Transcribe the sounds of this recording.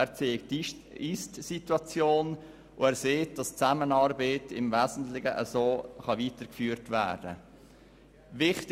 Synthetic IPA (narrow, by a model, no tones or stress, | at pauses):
æɾt͡seːkt | istsituɑt͡sjoːn | ʔʊɛːɾseːt̚d̥ɑst͡sæmənɑːɾbəɪtʰɪmvæːzn̩tlɪɡəʔəsoːχɑʋiːtəɾkfyːɾtvæ̰ːɾd̥ə̰ | vɪχt